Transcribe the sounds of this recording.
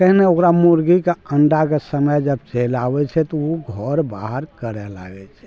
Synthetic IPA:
kəɦneokɾamuɾɡikeəɳɖakesəməjd͡ʒəbt͡ʃelawɛt͡ʃʰɛt̪ɔoɡʱɔɾba̰ɦəɾkəɾɛla̰ɡɛt͡ʃʰɛ̥

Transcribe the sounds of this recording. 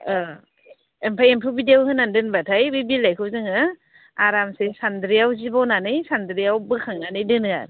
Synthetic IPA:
empʰajempʰɯbidijawhɯnːandɯnbatʰajbibilajkʰɯzɯŋɯ | aɾamsesandɾijawzibɔwnanɯjsandɾiawbɯkʰaŋnanɯjdɯnɯa̰ɾ

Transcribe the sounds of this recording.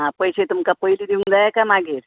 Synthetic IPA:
ɦãpəjset̪umkapəilid̪iũŋd̪ajakamaɡiɾ

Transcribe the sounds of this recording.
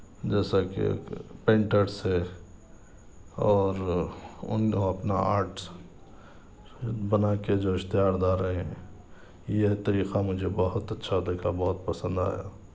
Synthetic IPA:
d͡ʒɛːsakḛpẽːɳʈəɾse | ɔːɾʊ̰nkoɐpna̰a̰ːɾʈ | bɐnaked͡ʒoɪʃt̪ɪjaːɾd̪aːɾəɦeɦɛ̃ | jet̪ɐɾiːqamʊd͡ʒʱebɔɦʊt̪ɐtːʃʰad̪eːkʰabɔɦʊt̪pɐsə̃nd̪a̰ːja̰ː

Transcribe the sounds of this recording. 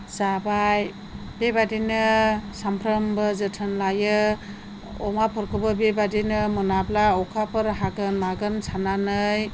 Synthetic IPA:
zabaj | bebadinɯsampʰɾəmbɯzɯtʰɯnlajɯ | ɔ̰mapʰɯɾkʰɯbɯbebadinɯmunablaɔkʰapʰɯɾɦaɡɯnmaɡɯnsʰananɯj

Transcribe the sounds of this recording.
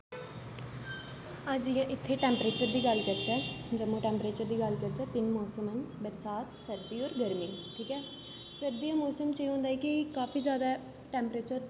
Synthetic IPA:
əd͡ʒjãːʔɪt̪ʰːeːʈɛ̃ːmpɾeːt͡ʃəɾd̪iːɡəlkəɾd͡ʒɛːd͡ʒəmõːʈɛ̃ːmpɾeːt͡ʃəɾd̪iːɡəlkəɾd͡ʒɛːp̪ɪnmɔːsəmənbəɾsaːt̪səɾd̪iːɔːɾɡəɾmiːʈʰiːkɛː | səɾd̪iːaːmɔːsəmt͡ʃeːɦõːnd̪aːɛːkɪkaːfʰiːzjaːd̪aː | ʈɛ̃ːmpɾeːt͡ʃəɾ

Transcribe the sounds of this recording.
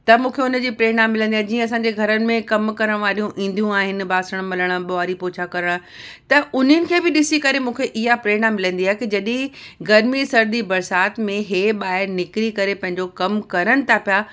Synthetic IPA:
t̪ɐmũːkʰeʊnəd͡ʑiːpɾeːnamɪlə̃nd̪ijaːd͡ʑiːə̃ɐs̬ãɲd͡ʑeɡʱɐɾənɪ̆mẽkɐmkɐɾəɽ̃ʋaːɾijũʔĩːn̆d̪ijũaːɦɪnɪ̆baːsəɽ̃mɪləɽ̃əɓoaːɾipoːt͡ɕʰakɐɾəɽ̃t̪ɐʔʊn̤ənɪ̆kʰeːbɪɗɪsikɐɾemũːkʰeʔɪɦapɾeːɳ̃amɪlə̃nd̪iaːɦekid͡ʑɐɗĩɡɐɾmisɐɾd̪ibɐɾsaːt̪mẽɦeːɓaːɦɪɾnɪkɾikɐɾepɐ̃ɦɪ̃ɲd͡ʑokɐmkɐɾəɽ̃ɪ̆t̪ʰapija

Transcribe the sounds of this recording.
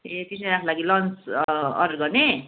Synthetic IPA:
et̪isaakʰolaɡilʌnt͡sʌ̰ɾɡʌne

